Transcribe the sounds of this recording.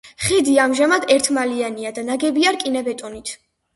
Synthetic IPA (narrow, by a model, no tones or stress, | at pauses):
χid̪iamʒamad̪ɛɾt̪ʰmalianiad̪anaɡɛbiaɾkʼinabɛt̪ʼunit̪ʰ